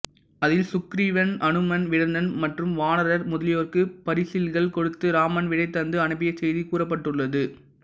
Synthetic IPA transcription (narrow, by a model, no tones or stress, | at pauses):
ɐðɪlsʊkɾiʋɐnʔɐɳɯmɐnʋɪɽɐnd̪ɐnmɐʈrɯmʋaːnɐɾɐɾmʊðɐlɪjoːrkɯpɐɾɪsɪlɣɐɭkɔɽɯt̪ːɯɾaːmɐnʋɪɽɐɪt̪ːɐnd̪ɯɐɳɯbɪjɐsɛjðikuːrɐp̬ːɐʈːɯɭːɐðɯ